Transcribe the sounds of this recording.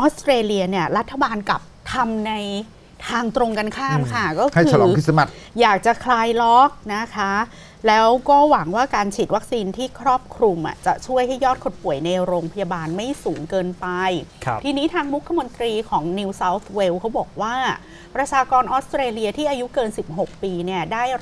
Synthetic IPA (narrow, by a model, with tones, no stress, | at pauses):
ʔɔː˦˥st̪ɾeː˧li˧ɐni˥˩ɐɾa˦˥t̪ʰːa˧baː˧nka˨˩p̚t̪ʰa˧mna˧j | t̪ʰaː˧ŋt̪ɾo˧ŋka˧nkʰaː˥˩mkʰa˥˩kɔː˥˩ka˥˩ɯːa˧lɔ̰ː˨˦kʰi˥˩sa˧ma˨˩t̪ | jaː˨˩k̚t͡ɕa˨˩kʰlaː˧jlɔ˦˥k̚na˦˥kʰa˦˥ | lɛː˦˥wkɔː˥˩wa˩˦ŋwaː˥˩kaː˧nt͡ɕʰiː˨˩t̪̚wa˦˥k̚siː˧nt̪ʰiː˥˩kʰɾɔː˥˩p̚kʰɾu˧mʔa̰˨˩t͡ɕa̰˨˩t͡ɕʰu˥˩əjɦa˥˩jːɔː˥˩t̪̚kʰo˨˩t̪̚pu˨˩ə˦jna˧jɾoː˧ŋpʰa˧ja˧baː˧nma˥˩jsuː˩˦ŋkɤː˧npa˧jʰt̪ʰiː˧niː˦˥t̪ʰaː˧ŋɾu˦˥kʰːa˧mo˧nt̪ɾiː˧kʰɔː˩˦ŋni˧wsaː˦˥wt̪ʰwe˧˥wkʰa˦˥wbɔː˨˩k̚waː˥˩ | pɾa˧t͡ɕʰaː˧kɔː˧nʔɔː˦˥st̪ɾeː˧li˧ɐt̪ʰiː˥˩ʔaː˧ju˦˥kɤː˧nsi˨˩p̚ɦo˨˩k̚piː˧ni˥˩ɐdaː˥˩j